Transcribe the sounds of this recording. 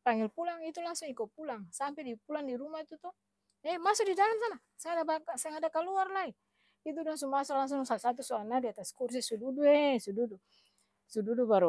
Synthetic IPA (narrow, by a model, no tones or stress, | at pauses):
paŋilpulaŋit̪ulaŋsuŋikɔpulaŋsampɛdipulaŋdiɾumait̪ut̪ɔ | ɛmasudidalamsana | sɛŋadabasɛŋadakaluarlai | it̪̬udaŋsuŋmasɔlaŋs̬uŋŋsasat̪̬usɔanadiat̪askurs̬isududuɛsududu | sududubaɾu